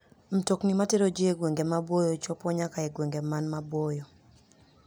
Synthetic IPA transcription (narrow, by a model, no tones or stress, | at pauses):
m̩toknimateɾod͡ʒieɡweŋɡemabwojɔt͡ʃɔpɔɲakaeɡweŋɡemanmabwojɔ